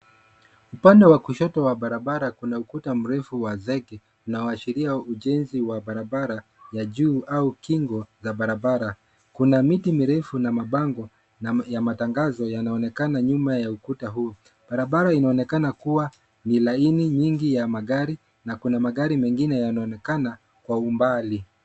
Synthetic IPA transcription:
upandɛwakuʃɔtɔwaɓaɾaɓaɾakunaukutam̩ɾɛfuwazɛɡɛ | unaɔaʃiɾiauʄɛnziwaɓaɾaɓaɾa | jaʄuːʔaukiŋɡɔzaɓaɾaɓaɾa | kunamitimiɾɛfunamaɓaŋɡɔ | jamataŋɡazɔjanaɔnɛkanaɲumajaukutaɦuɔ | ɓaɾaɓaɾainaɔnɛkanakuwa | nilainiɲiŋɡijamaɠaɾi | nakunamaɠaɾimɛŋɡinɛjanaɔnɛkana | kwaumbali

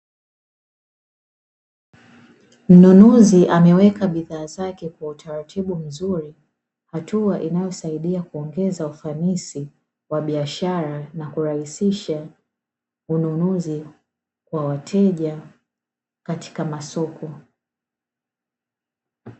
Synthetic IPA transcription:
m̩nunuziʔamɛwɛkaɓiðaːzakɛkwautʰaɾatʰiɓum̩zuɾi | hatuaʔinajɔsaiɗiakuɔŋɡɛzaufanisi | waɓiaʃaɾanakuɾahisiʃa | ununuzi | kwawatʰɛʄa | kati̥kamasɔkʰɔ

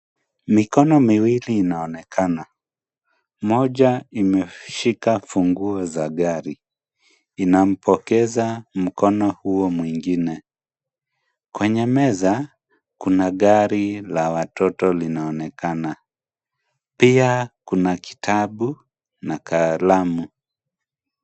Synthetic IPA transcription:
mikɔnɔmiwiliːnaɔnɛkʰana | mɔʄaimɛʃikafuŋɡuɔzaɠaɾiː | nam̩pʰɔkɛzam̩kɔnɔhuɔmwiŋɡinɛ | kwɛɲɛmɛza | kunaɠaɾilawatɔtɔlinaɔnɛkana | piakunaki̥tʰaɓu | nakʰaːlamu

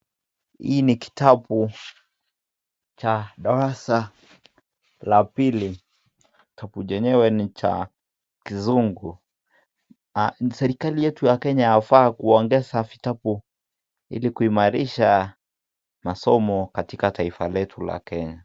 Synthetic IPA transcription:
hḭːniki̥tʰabu | t͡ʃaɗaɾasa | lapili | itʰabuʄɛɲɛwɛnit͡ʃa̰ | kizuŋɡu | sɛɾikalijɛtujakɛɲaːfaːkuɔŋɡɛsavitabu | ḭlikuimaɾiʃa | masɔmɔkatikatʰaifalɛtʰula̰kɛɲa

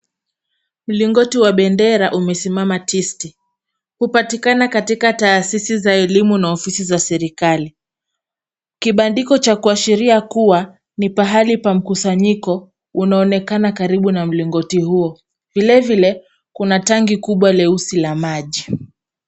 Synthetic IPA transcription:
m̩liŋɡɔtiwaɓɛndɛɾaʔumɛsimamatisti | hupatikanakatikataːsisizaɛlimunaɔfisizasɛɾikali | kiɓandikɔt͡ʃakuaʃiɾiakuwa | nipaɦalipam̩kusaɲikɔ | unaɔnɛkanakaɾiɓunam̩liŋɡɔtihuɔ | vilɛvilɛ | kunataŋɡikuɓwalɛusilamaʄi

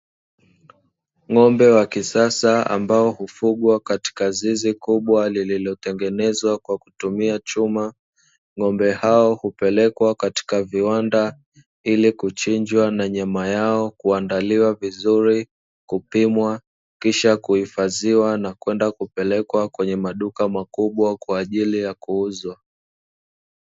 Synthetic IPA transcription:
ŋɔmbɛwakisasaa̰mbaɔhufuɠwakati̥kazizikuɓwalililɔtɛŋɡɛnɛzwakwaku̥tumiat͡ʃuma | ŋɔmbɛhaɔhupɛlɛkwakati̥kaviwanda | ilikut͡ʃiɲd͡ʒwanaɲamajaɔkuandaliwavizuɾi | kupimwa | kiʃakuhifaziwanakwɛndakupɛlɛkwakwɛɲɛmaɗukamakuɓwakwaːʄilijakuuzwa

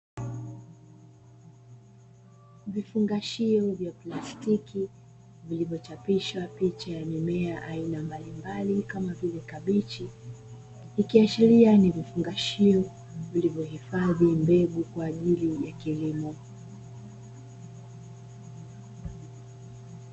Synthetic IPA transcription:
vifuŋɡaʃiɔvjaplastiki | vilivjɔt͡ʃapiʃwapit͡ʃajamɛmɛaʔainambalimbalikamavilɛkaɓit͡ʃi | ikiaʃiɾianivifuŋɡaʃiɔ | vilivjɔhifaðimbɛɡukwaːʄilijakilimɔ

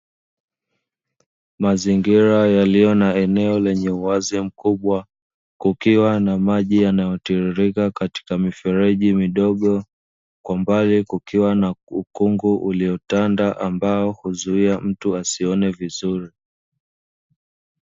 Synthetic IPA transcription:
maziŋɡiɾajalijɔnaɛnɛɔlɛɲɛuazim̩kuɓwa | kukiwanamaʄijanajɔtiɾiɾikakati̥kamifɛɾɛʄimiɗɔɠɔ | kwambalikukiwanaukuŋɡuʔuliɔtandaʔambaɔhuzuiam̩tuasiɔnɛvizuɾi

